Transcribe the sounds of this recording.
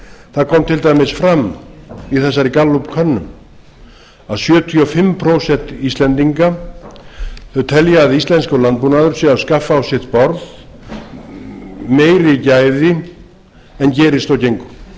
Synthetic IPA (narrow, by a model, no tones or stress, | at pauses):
θaðkʰɔmt̪ʰɪlt̪ajmɪsfɾamiθɛs̬ːaɾikalːupkʰœnːʏm | aðsjœːt̪ʰiɔfɪmːpʰɾoːwsɛn̥t̪ist̪lɛnt̪iŋka | θœɥt̪ʰɛljaːðɪist̪lɛnskalant̪̚punaðʏɾ̥sɛawskafːaawsjɛt̪pɔɾð | meːjɾɪcaːjðɪ | ɛncɛːɾɪst̪awcejŋkʏ̥